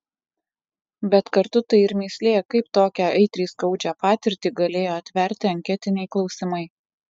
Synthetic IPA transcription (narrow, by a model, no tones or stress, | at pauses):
bʲɛt̪kɐɾt̪ʊt̪ɐɪɪɾmʲiːsʲlʲeːjɛkɐɪp̚t̪oːkʲæːɐɪt̪ʲɾʲiːskɐʊd͡ʒʲæːpɑːt̪ʲɪɾʲt̪ʲiːɡɐlʲeːjoːɐt̪ʲʋʲɛɾʲt̪ʲɪɐŋʲkʲɛt̪ʲɪnʲɛɪklˠɒʊsʲɪmɐɪ